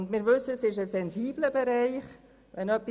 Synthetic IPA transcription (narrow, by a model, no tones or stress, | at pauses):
ndmɪːɾʋʏsəsɪʃəsɛnziːbləbɛɾaɪχ | vɛnœpːi